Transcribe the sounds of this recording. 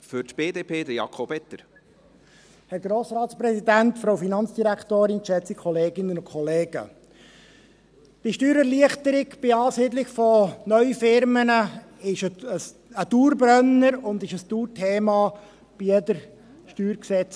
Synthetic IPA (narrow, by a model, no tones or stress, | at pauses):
fʏɾtb̥eːdeːpʰeːd̪əjɑ̰kʰobɛt̪əɾ | hɛɾɡɾoːsɾɑːt̪spɾɛsid̪æntfɾowfinɑnt͡sd̥iɾækʰtoːɾɪnʃɛt͡sikʰɔleːɡɪnənʊnkʰɔleːɡ̥ə̰ | b̥ɪʃtyːɾɛɾliəχt̪əɾɪɡb̥ɪɑːsiːdlɪɡfɔnœʏɥəfɪɾmənə | ɪʃəəs | əduːɾbɾœnːəɾʊnd̪ɪʃəstuːɾtʰeːmɑ | b̥ijɛdəɾ | ʃtyːɾksɛt͡s